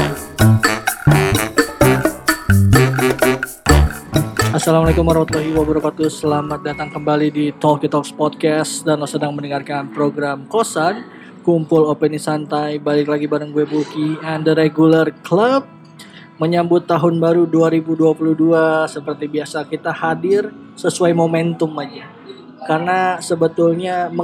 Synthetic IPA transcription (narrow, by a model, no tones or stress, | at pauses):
ʔasalamalekumwaɾɑmat̪ulaɦiwabəɾapat̪usəlamat̪̚dat̪aŋkəmbalidit̪ɔkit̪ɔkspɔd̚kɛsdanlɔsədaŋməndəŋarkanpɾoɡɾamkosan | kumpʊlopənisant̪ajbalɪk̬laɡibaɾəŋɡuebukiandəɾeɡulərkləb̚ | məɲambʊt̪ːaɦʊnbaɾuduaɾibuduapuluhduasəpərt̪ibiasakit̪ahadɪr | səsuajmomɛnt̪ʊmad͡ʒa | karnasəbət̪ʊlɲam